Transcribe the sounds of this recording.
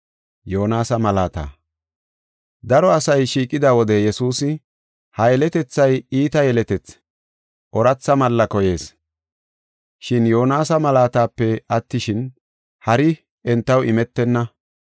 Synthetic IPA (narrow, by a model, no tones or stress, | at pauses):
jo̞ːnaːsɐmɐlaːt̪a̰ː | d̪ɐɾɔɐsɐjʃiːkʼːɪd̪aːwɔd̪ɛjɛsuːsɪ | hɐjɛlɛt̪ɛt͡sːɐjiːt̪ɐjɛlɛt̪ɛt͡s | ʔɔɾɐt͡sːɐmɐlːɐkɔje̞ːs | ʃɪnjo̞ːnaːsɐmɐlaːt̪aːpːɛɐt̪ːɪʃɪn | hɐɾɪ | ɛnt̪ːɐwʔɪmɛt̪ːɛnːɐ